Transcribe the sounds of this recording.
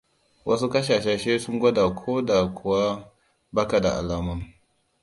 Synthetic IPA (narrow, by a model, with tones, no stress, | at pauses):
wʔɐ˦s̬u˦kɐ˦ʃaː˨ʃe˦ʃe˦su˦ŋɡʷɐ˦da˨kʷʰoː˦da˨kʷʰʊ˨wa˦ | ba˦ka˨da̰˨ʔa̰˨laː˨ma˦˨m